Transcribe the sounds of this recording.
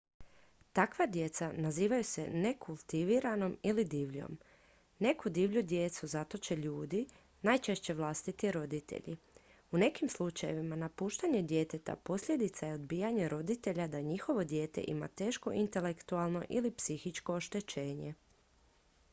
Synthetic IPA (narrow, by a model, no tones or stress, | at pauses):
t̪akʋad̪je̞t̪sanaziːʋajusene̞kʰulˠt̪iʋiɾano̞milid̪iːʋʎo̞̰m | ne̞kud̪iːʋʎud̪je̞t̪suzat̪o̞t͡ɕe̞ʎuːd̪i | najt͡ʃe̞ʃt͡ɕe̞ʋlˠast̪it̪iɾo̞d̪it̪e̞̰ʎḭ | une̞kimslˠut͡ʃaje̞ʋimanapuːʃt̪aɲe̞d̪je̞t̪e̞t̪a̰po̞sʎʲe̞d̪it̪sajeo̞d̪biːjaɲeɾo̞d̪it̪e̞ʎad̪aɲixo̞ʋod̪je̞ːt̪e̞̰ʔḭma̰t̪e̞ːʃko̞ʔint̪e̞le̞kt̪ualˠno̞̰ʔilipsixit͡ʃko̞ːʃt̪e̞t͡ɕe̞ːɲe̞